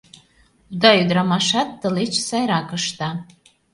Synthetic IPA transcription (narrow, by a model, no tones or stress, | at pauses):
ud̪ɑyd̪ɾɑmɑʃɑt̪ːə̆let͡ɕsɑjɾɑkəʃt̪ɑ